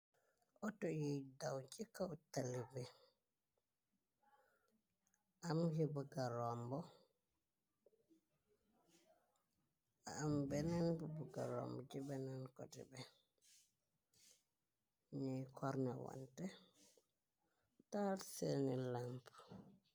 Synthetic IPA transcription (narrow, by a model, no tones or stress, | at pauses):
ʔɔtɔjijdawt͡ʃikatalibɛ | ʔamhibuɡaɾɔmbɔ | aːmbɛnanbubuɡaɾɔ̰mbɔd͡ʒibɛnankɔ̰tḭbɛ | ɲijkʰɔɾnawa̰ntɛ | talsenilamp